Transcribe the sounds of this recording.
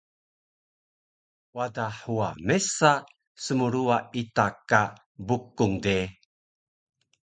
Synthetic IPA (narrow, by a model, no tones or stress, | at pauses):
wadaħuamesa | səmuɾuaitaka | bukuŋde